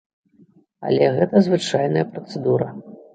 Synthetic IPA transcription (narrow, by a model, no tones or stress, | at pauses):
ɐ̰lʲɛɣɛt̪ɐzvɨt͡ʂajnɐjɐpɾɐt̪sɛd̪uɾɐ